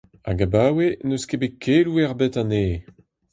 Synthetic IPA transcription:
a̰ɡabaːwenøskebekʰeːluɛʁbetaneː

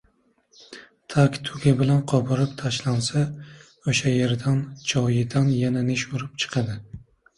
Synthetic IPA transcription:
t̪ʰakʲt̪ʰʊɡʲabɪlanqʰɒbɪɾɪpt̪ʰaʃlansa | oʃaje̞ɾd̪and͡ʒʰɒjɪd̪anjananɪʃuɾɪpt͡ʃʰɨ̥qʰɑd̪ɪ

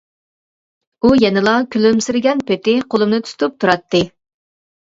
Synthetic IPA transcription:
ujɛnɨlˠɑkʲʰylymsɪɾɡʲɛnpʰet̪ɪqʰolˠumnɨt̪ʰu̥t̪ʰup̚t̪ʰuɾɑt̪ːɨ

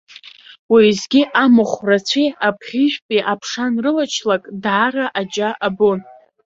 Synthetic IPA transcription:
wizɡʲiʔamɨχʷrat͡sʷʰiapʰχʲiʒʷᶣpʼiʔapʰʂanrɨlat͡ʃʰlakʼdʕaɾaʔad͡ʒʼaʔabon

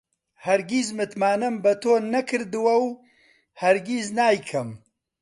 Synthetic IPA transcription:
hɐɾɡizmɨt̪maːnɨmbɐt̪ʰoːnɐkʰɨɾd̪ɨwɐw | hɐɾɡiznaːjkʰɐm

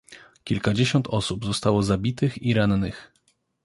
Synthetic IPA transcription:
kʲilkad͡ʑeɕɔnt̪ɔsubzɔst̪awɔzabʲit̪ɘxiɾannɘx

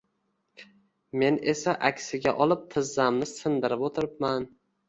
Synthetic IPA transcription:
me̞ne̞saʔakʲsɪɡʲaʔɒlˠɪp̚t̪ʰɪzːamnɪsɪnd̪ɪɾɪpot̪ʰɪɾɪp̚man

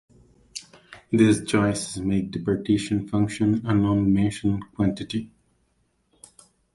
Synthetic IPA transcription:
d̪ist͡ʃɔɪsɪzmeːk̚ɖɪpəɹʈeːʃə̃nfʌ̃ŋkʃə̃nə̃nɔ̃ːmmeʃə̃nkwɔ̃nʈɪʈi

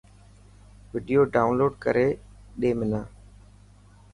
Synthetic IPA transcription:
ʋɪːɖijoːɖaːʊnloːɖkəɾeː | ɗeːmɪnãː

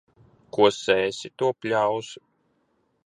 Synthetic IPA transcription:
kuɔsɛːsʲit̪uɔpʲlʲaws

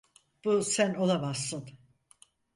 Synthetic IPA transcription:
b̥usæno̞lˠabasːɯn

